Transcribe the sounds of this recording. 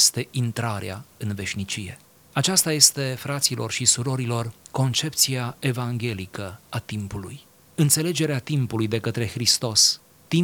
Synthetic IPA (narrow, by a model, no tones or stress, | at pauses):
st̪e̞ʔint̪ɾaɾea̰ɨnve̞ʃʲnit͡ʃije̞̰ | at͡ʃast̪aje̞st̪e̞fɾat̪silo̞̰rʃisuɾo̞ɾilo̞rko̞nt͡ʃe̞p̚t̪siae̞vaŋɡʲe̞likəat̪impuluj | ɨnt̪se̞le̞d͡ʒe̞ɾeat̪impulujd̪e̞kət̪ɾe̞xɾist̪o̞s | t̪i